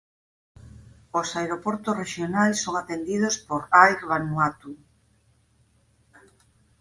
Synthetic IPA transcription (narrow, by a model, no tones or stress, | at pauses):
osaeɾopoɾt̪osreʃjonajsːoŋat̪end̪ið̞ospoɾajɾβanwat̪u